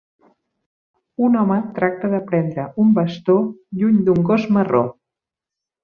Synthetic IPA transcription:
unɔmət̪ɾak̚t̪əðəpɾɛnd̪ɾəumbəst̪oʎuɲd̪uŋɡozməro̰

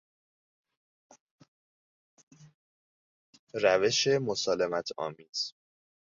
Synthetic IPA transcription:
ɾæve̞ʃe̞mo̞sɒːlemæt̪ʰɒ̰ːmiːz̥

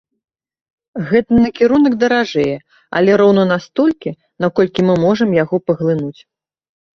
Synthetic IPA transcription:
ɣɛt̪ɐnɐkʲiɾunɐɡd̪ɐɾaʐɛjɛ | ɐ̰lʲɛɾɔwnɐnast̪ɔlʲkʲi | nakɔlʲkʲimɨmɔʐɐmjaɣɔpɐɣlˠɨnut͡sʲ

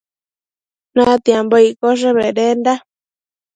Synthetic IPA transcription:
nãt̪jemboikoʐ̬eβeɾenda

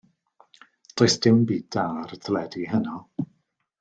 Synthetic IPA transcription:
d̥ɔjsd̥ɪwnbiːd̥aːɾətʰlɛdihənɔ

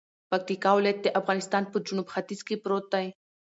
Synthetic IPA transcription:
pak̚t̪ikɑwlajat̪̚d̪eʔafɣɑnɪst̪ɑnpəd͡ʒunubxat̪izkepɾot̪̚d̪aj

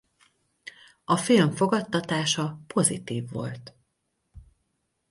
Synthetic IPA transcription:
ɒfilɱfo̞ɡɒt̪ːɒt̪aːʃɒpʰo̞zḭt̪iːvːo̞̰lt̪

